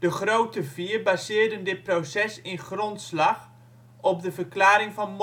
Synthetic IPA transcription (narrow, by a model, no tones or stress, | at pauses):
d̥əχrowtəviərbazɪːrdəndɪt̚prowsɛsɪnχrɔntslɑx | ɔp̚dəvərklaːɾɪŋvɑnm